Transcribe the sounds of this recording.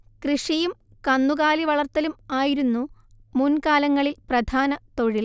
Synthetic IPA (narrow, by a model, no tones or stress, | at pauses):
krɨʂijum | kɐnːuɣaːliʋɐɭɐrt̪ːɐlumaːjiɾunːu | munkaːlɐŋːɐɭilprɐd̪ʱʰaːnɐt̪o̞ɻil